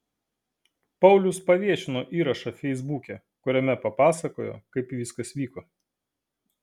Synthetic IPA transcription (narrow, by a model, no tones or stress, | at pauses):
pɐʊlʲʊspɐʋʲiɛʃʲɪnoːʔiːɾɐʃɐfʲɛɪzbuːkʲɛ | kʊɾʲɛmʲɛpɐpɑːsɐkoːjo̰ːkɐɪpiʋʲɪskɐsʋʲiːkoː